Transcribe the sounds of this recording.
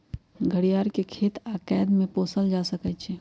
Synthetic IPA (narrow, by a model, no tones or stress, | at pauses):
ɡʱəɽijaːɾkekʰeːt̪aːkɛːd̪mẽpoːsəld͡ʒaːsəkət͡ʃʰe